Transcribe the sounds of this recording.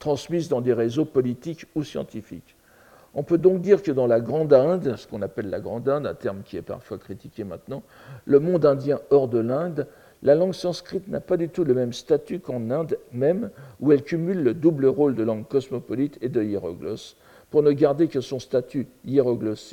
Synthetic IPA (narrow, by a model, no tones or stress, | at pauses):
t̪χɑ̃smizd̪ɑ̃d̪eʁezopɔlit̪ikusjɑ̰̃t̪ifḭk | ɔ̃pød̪ɔ̃k̚d̪iʁkəd̪ɑ̃laɡʁɑ̃d̪ɛ̃d̪sə̥kɔ̃napɛlːa̰ɡʁɑ̃d̪ɛ̃d̪ɛ̰̃t̪ɛʁmkʲiɛ̰pa̰ʁfwakχit̪i̥kʲemɛ̃t̪nɑ̃ | ləmɔ̃d̪ɛ̃d̪jɛ̃ɔʁd̪əlɛ̃d̪ | lalɑ̃ɡsɑ̃skχit̪na̰pad̪yt̪uləmɛmst̪at̪ykɑ̃nɛ̃d̪mɛmuɛlkʲymylːəd̪ubləʁold̪əlɑ̃ɡkɔsmɔpɔlit̪ed̪əiʁɔ̰ɡlɔ̰s | puʁnəɡaʁd̪ekəsɔ̃st̪at̪yiʁɔɡlɔs